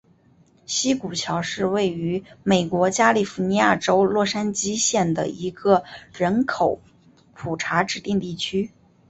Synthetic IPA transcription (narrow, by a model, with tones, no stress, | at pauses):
ɕi˥ku˨˩t͡ɕʰjɑ˧˥ʊʂɻ̩˥˧we˥˩ɪy˧˥me˨˩ɪkwɔ˧˥t͡ɕja˥li˥˩fu˧˥ni˧˥ja˥˩ʈ͡ʂo˥ʊlwɔ˥˩ʂa˥nt͡ɕi˥ɕjɛ˥˩nd̪ə̰˩i˧˥ɡə˧ɻə˧˥nkʰo˨˩ʊ | pʰu˨˩ʈ͡ʂʰa˧˥ʈ͡ʂɻ̩˨˩t̪i˥˧ŋt̪i˥˩t͡ɕʰy˥